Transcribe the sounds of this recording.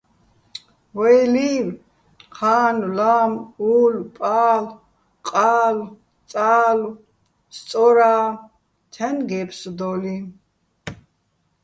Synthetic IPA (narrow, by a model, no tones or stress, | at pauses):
wɛjliw | χʰaːnlamulpʼaːl | qʼaːl | t͡sʼaːl | st͡s̪ʼɔɾaː | t̪ʰɛnɡɛpʰsd̪ɔli